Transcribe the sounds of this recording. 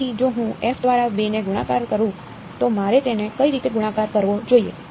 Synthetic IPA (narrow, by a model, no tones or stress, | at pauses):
id͡ʒoɦũefd̪ʋaɾabeneɡuɽ̃akaɾkəɾũ | t̪omaɾet̪enekəiɾit̪eɡuɽ̃ãkaɾkəɾʋod͡ʒoiḛ